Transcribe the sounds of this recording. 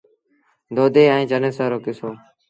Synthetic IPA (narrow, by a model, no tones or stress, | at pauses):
d̪oːd̪eːə̃ĩːt͡ʃənẽːsaːɾoːkɪsoː